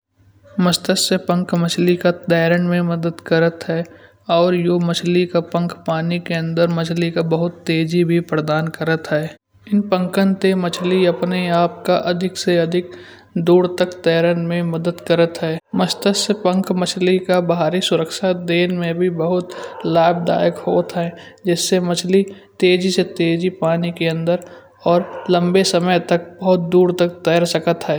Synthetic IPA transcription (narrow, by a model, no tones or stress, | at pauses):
məst̪əsəpə̃ŋkmət͡ʃʰlikat̪ɛːɾəɳmẽmɐd̪əd̪kəɾət̪ɦɛː | ɔːɾjoːmət͡ʃʰlikapə̃ŋkpaːnikeə̃nd̪əɾmɐt͡ʃʰlikabəɦʊt̪ːeːd͡ʒibʱipɾəd̪aːnkəɾət̪ɦɛː | ɪnpə̃ŋkənt̪emɐt͡ʃʰliɐpneaːpkaʔɐd̪ʱɪkseɐd̪ʱɪk̚d̪uːɾt̪əkt̪ɛːɾənmẽməd̪əd̪kəɾət̪ɦɛːməst̪əspə̃ŋkʰmɐt͡ʃʰlikabɐɦaːɾisʊɾəkʃad̪eːnmẽbʱibəɦʊt̪laːbd̪a̰ːjəkhoːt̪ɦɛd͡ʒɪsːemət͡ʃʰli | t̪eːd͡ʒiset̪eːd͡ʒipaːnikeə̃nd̪əɾ | ɔːɾlɐ̃mbesəməjt̪ək̚bəɦʊt̪̚d̪uːɾt̪ək̚t̪ɛːɾsəkət̪ɦɛː